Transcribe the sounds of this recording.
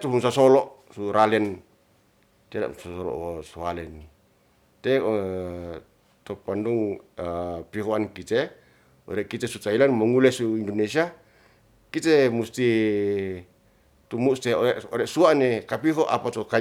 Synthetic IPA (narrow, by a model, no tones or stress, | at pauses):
t̪uɦunsasolɔʔ | suɾalɛn | t̪eɾa̰sasolɔ̰ʔoswalɛni | t̪ɛ | t̪opanduŋ | piɦoankit̪e | o̰ɾɛʔkit̪esut̪ailanmɔŋulɛsuindonesia | kit̪emust̪i | t̪umust̪eoɛoɾɛsuanekapiɦoʔa̰pat̪oka